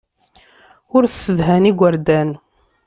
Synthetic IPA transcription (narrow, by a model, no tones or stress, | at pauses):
ʊɾsːəðɦæniɡʷəɾd̪æn